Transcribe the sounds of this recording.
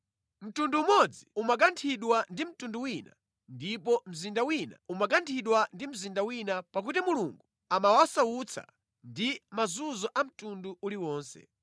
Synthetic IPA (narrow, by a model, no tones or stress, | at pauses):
m̩tunduːmɔd͡ziumak̬antʰiɗwandim̩tunduwina̰ | ndipɔm̩zindawina̰umak̬antʰiɗwandim̩zindawinapak̬utimuluŋɡu | amawasawut͡sʰa̰ | ndimazuzɔʔam̩tunduʔuliwɔːnsɛ̰